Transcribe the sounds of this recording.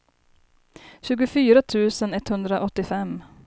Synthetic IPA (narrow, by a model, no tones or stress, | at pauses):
ɕʉ̟ːɡʊfyːɾat̪ʰʉ̟ːsənɛt̪hɵnd̪ɾaʔɔt̪ːɪfɛmː